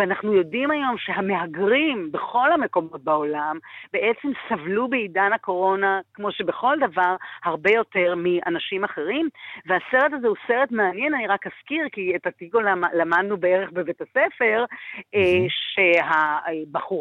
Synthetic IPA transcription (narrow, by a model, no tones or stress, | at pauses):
veanaχnujo̞dimajo̞mʃe̞ɦame̞ɦaɡʁimbe̞χo̞lhame̞ko̞mo̞t̚bao̞lambe̞ʔet͡se̞msavlubeidanhako̞ʁo̞nakmo̞ʃe̞be̞χo̞ldavaʁhaʁbe̞jo̞te̞ʁmia̰naʃimaχe̞ʁimvease̞ʁet̬azeuse̞ʁe̞tmeanjenaniʁakaskiʁkiethatikolalamadnubeeʁeχbevetase̞fe̞ʁeʃe̞ɦaebaχuʁ